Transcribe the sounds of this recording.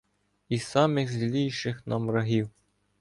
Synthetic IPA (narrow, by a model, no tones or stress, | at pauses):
isɑmʲekzlʲiʃɘ̆xnɑmrɑɦiw